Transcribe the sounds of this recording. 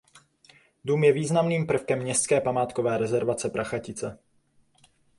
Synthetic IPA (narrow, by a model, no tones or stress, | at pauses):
duːmjɛviːznamniːmpr̩fkɛmːɲɛst͡skɛːpamaːt̪kovɛːɾɛzɛɾvat͡sɛpɾaxacɪt͡sɛ